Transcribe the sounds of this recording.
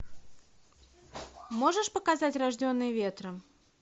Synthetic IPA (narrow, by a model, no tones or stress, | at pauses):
moʐəʂpəkazatʲraʐdʲonːɨjvʲet̪ɾəm